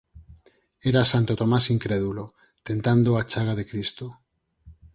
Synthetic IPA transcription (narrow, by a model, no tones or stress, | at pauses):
eɾasant̪ot̪omasiŋkɾeðulo | t̪ent̪and̪oat͡ʃaɣ̞aðekɾist̪o